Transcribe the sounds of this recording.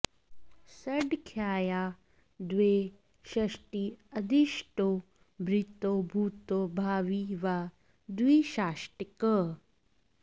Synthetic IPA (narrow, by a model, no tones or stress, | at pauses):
sɐɖkʰjaːja | d̪ʋeː | ʃɐʂʈiɐd̪iʃʈo | bʱɾit̪obʱuːt̪obʱaːʋiʋa | d̪wiːʃaːʃʈikə